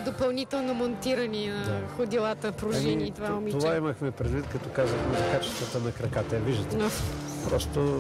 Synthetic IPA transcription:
d̪opɐlˠnit̪ɛlˠnomont̪iɾɐninxʊd̪ilˠat̪əpɾoʒɛniːt̪ovaomit̪ovaiməxmɛpɾɛd̪vit̪̚kɐt̪ɔkazvəxmɛzɐkat͡ʃɛ̥st̪vət̪ənɐkɾɐkat̪əɛviʒɐt̪ɛpɾɔst̪o

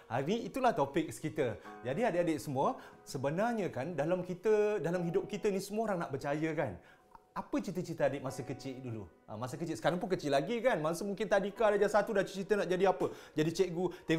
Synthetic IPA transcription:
ha̰niit̪ulaht̪opɪk̚skit̪əd͡ʒadiadəadeʔsəmũəsəbənarɲə̃kandalamkit̪ədalamɦidʊp̚kit̪ənisəmuaoɾaŋnaʔbərt͡ʃajəkan | apət͡ʃit̪ət͡ʃit̪əadeʔ̚masəkət͡ʃɪʔ̚duluʔə̰masəkət͡ʃɪt̪sə̥kaɾaŋpʊnkət͡ʃɪlaɡikanmasumuŋkɪnt̪adikadad͡ʒasat̪udat͡ʃt͡ʃit̪ənaʔd͡ʒadiapəd͡ʒadit͡ʃeʔɡut̪e

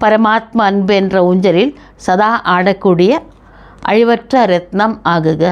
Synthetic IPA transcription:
pɐɾɐmaːt̪̚mɐːnbɯɛndrɐuɲd͡ʒɐɾɪl | sɐðaːʔaːɽɐkːuːɽɪjɐ | ʔɐɻɪʋɐʈrɐɾɛt̪nɐmaːɣɯɣɐ

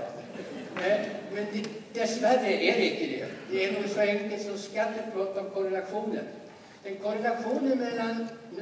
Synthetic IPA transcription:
ɛmɛnd̪d̪ɛsvæɾːəʔæɾɪt̪ːəd̪ḛːd̪ɛænʊɡsɔɛŋkəlt̪sɔmskat̪ːət̪̚pʰɔpʰɔkʰɔɾɛlaɧuːnə̰n | d̪̥ɛnkʰɔɾɛlaɧuːnənmɛlːanː

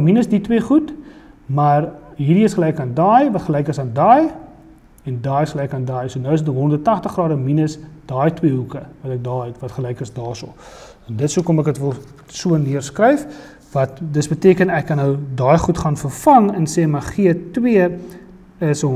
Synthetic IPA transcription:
minəsditwiəχutmɐrɦiːɾiəsχəlɛjkɑːndɑːjvɐtχəlɛjkəsɑːndɑːj | ɛndɑːjəsχəlɛjkɑːndɑːjsuənəwəsətɦɔnərdətɐχtəχɡrɑːɾəminəsd̥ɑːjtwiəɦukəvɐtɛk̚dɑːɦɛtvɐtχəlɛjkəsdɑːsə̰lˠ | ɛndətsuəkɔmɛkətvəlˠ | suənːiərskrəjf | vɐt̚dəsbətiəkənɛkːɐnɦəwdɑːjχutχɑnfərfɐŋənsɛːmɐχiətwiə | əs

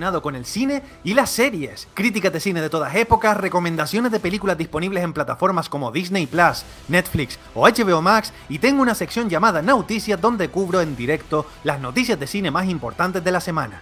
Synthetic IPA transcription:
naðo̞ko̞ne̞lsine̞ | ilase̞ɾje̞skɾit̪̬ikazðe̞sineð̞e̞t̪o̞ðase̞po̞kasre̞komẽ̞nd̪asjo̞ne̞zðe̞pe̞likulazd̪ispo̞niβle̞se̞mplat̪afo̞ɾmasko̞mo̞ðisnejplas | ne̞t̪fliks | o̞at͡ʃe̞βeomaks | it̪e̞ŋɡounase̞ksjõ̞ɲd͡ʒamaðanawt̪isjazðo̞nd̪e̞kuβɾo̞e̞nd̪iɾe̞kt̪o̞ | lazno̞t̪isjazðe̞sine̞masimpo̞ɾt̪ant̪e̞zðe̞lase̞mã̰na̰

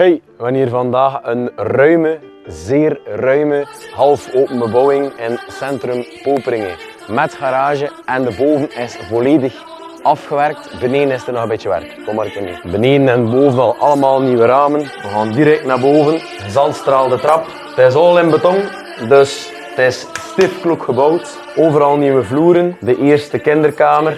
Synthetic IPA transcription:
ɦej | ʋɑniːrvɑndaːxənrœɥmə | zeːrrœɥməɦɑlˠfoːpəmbəbɔwɪŋɪnsɛntrɵmpoːpəɾɪŋə̰ | mɛtxaɾaːʒəɛndəboːvənɪsvoleːdəx | ɑfxəʋɛrk̚tbəneːnɪstərnɔɣəmbɪːt͡ʃəʋɛ̰rkkɔmaɾkənḭbəneːdənɛnboːvənɑlˠɑləmaːlˠniʋəɾaːmən | əɣaːndiɾɛk̚tnaːrboːvən | əzɑlˠstraːlˠdətrɑp | tɪsɔlɪnbətɔŋ | dɵs | tɪsstɪfklukxəbɔwt | oːvəɾɑlˠniʋəvluːɾəndəʔeːrstəkɪndərkaːmər

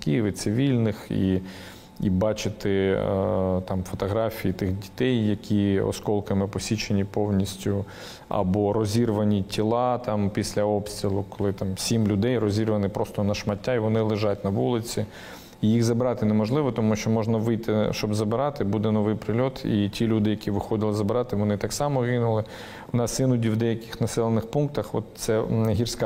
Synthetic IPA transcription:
kijiʋɪt̪sɪʋʲilʲnɪxḭ | ibɑt͡ʃɪt̪ɪ | t̪ɑmfɔt̪ɔɦɾɑfʲijit̪ɪxdʲi̥t̪ɛjːɐkʲiɔ̰skɔlˠkɐmɪpɔsʲit͡ʃenʲipɔwnʲisʲtʲʊ | ɐ̰bɔɾɔzʲirʋɐnʲitʲilˠɑt̪ɑmpʲisʲlʲɐɔpsʲt̪ʲɾʲilˠʊkɔ̥lˠɪt̪ɑmsʲimlʲʊd̪ɛjrɔzʲirʋɐnɪpɾɔst̪ɔnɐʃmɐtʲːaiʋɔnɪlˠɪʒɑtʲnɐʋulˠɪt͡sʲi | ijixzɐbɪɾɑt̪ɪnemɔʒlˠɪʋɔt̪ɔmuʃt͡ʃɔmɔʒnɐʋɪjt̪ɪʃt͡ʃɔbzɐbɪɾɑt̪ɪbud̪ɛnɔʋɪjpɾɪlʲɔt̪ʰḭtʲilʲud̪ɪjɐkʲiʋɪxɔd̪ɪlˠɪzɐbɪɾɑt̪ɪʋɔnɪt̪ɑksɑmɔɣɪnʊlˠɪ | ʊnɑsɪnʊdʲiwd̪ɛjɐkɪ̥xnɐsɛlˠenɪxpunk̚t̪ɐxɔ̰t̪sɛɦʲirsʲk

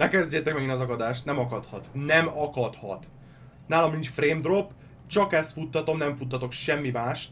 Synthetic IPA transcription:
nɛkɛzɟeːt̪ɛk̚mɛɡinɒzɒkɒd̪aːʃt̪nɛmɒkɒt̪hɒt̪nɛmɒkɒt̪hɒ̰t̪ | naːlɒmnint͡ʃfreːmd̪ro̞pː | t͡ʃɒkɛst̪fut̪ːɒt̪o̞mnɛɱfut̪ːɒt̪o̞kʃɛmːimaːʃt̪

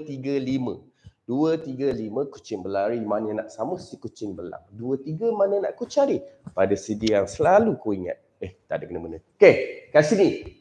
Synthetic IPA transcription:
t̪iɡəlimə̰̃ | d̥uət̪iɡəlimə̃ku̥t͡ʃɪŋbəlaɾimanə̃naʔsamə̃sikut͡ʃɪŋbəla̰ŋduət̪iɡəmanəna̰ʔkut͡ʃaɾipadasədijaŋsəlalukoiŋa̰t̪̚eht̪adəkənəmənəokekasini

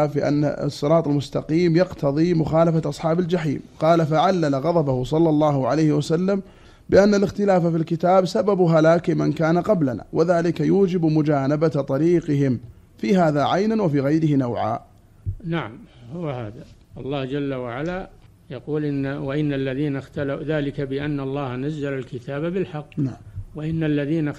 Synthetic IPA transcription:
fiʔa̰nːa̰sˤːɨɾˤɑːt̪ˤalmʊst̪aqiːmjɑqt̪ʰɑðˤimʊxɑːlafaʔɑsˤħɑːbald͡ʒaħḭːmqɑːlafaʕalːalaɣɑðˤɑbahʊsˤɑlːɑlˤːɑːhʊʕalajhɪwasalːam | bɪʔanːalɪxt̪ɪlaːfafilkɪt̪aːbsababʊɦalaːkɪmankaːnaqɑblana̰ːwʔaðaːlɪkajuːd͡ʒɪbmʊd͡ʒaːnabat̪ˤɑɾiːqɪɦɪm | fiːɦaːðaʕajnanwafiːɣajɾɪhɪnawʕa̰ː | naʕamhʊwahaːða | ʔɑlˤːɑːhd͡ʒalːawaʕala | jɑquːlʔɪwaʔɪnːalːaðiːnaxt̪alaðaːlɪkabɪʔanːɑlˤːɑːhnazːalalkɪt̪ʰaːbabɪlħɑqːnaʕwaʔɪnːalːaðiːna

